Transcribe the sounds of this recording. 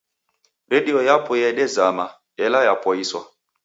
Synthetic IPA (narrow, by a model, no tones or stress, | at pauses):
ɾɛdiɔjapɔjɛɗɛzama | ɛlajapɔiswa̰